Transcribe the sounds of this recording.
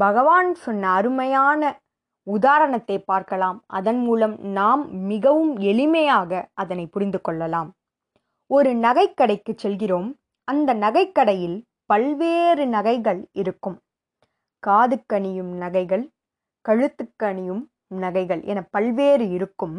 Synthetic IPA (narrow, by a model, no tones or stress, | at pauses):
bɐɣɐʋaːnsɔnːɐːɾɯmɐjaːnɐ | ʊðaːɾɐɳɐt̪ːɐɪpaːɾkɐlaːmʔɐ̰ðɐnmuːlɐmnaːmːɪɣɐʋɯmɛɭɪmɐjaːɣɐʔɐðɐnɐɪpʊɾɪnd̪ɯkːɔɭːɐlaːm | ɔɾɯnɐɣɐɪkːɐɽɐɪkːɯt͡ʃːɛlɣɪroːm | ɐnd̪ɐnɐɣɐɪkːɐɽɐjɪl | pɐlʋeːɾɯnɐɣɐɪɣɐɭɪɾɯkːɯm | kaːðɯkːɐɳɪjɯmnɐɣɐɪɣɐɭ | kɐɻɯt̪ːɯkːɐɳɪjɯm | nɐɣɐɪɣɐɭʔɛ̰nɐpɐlʋeːɾɯɪɾɯkːɯm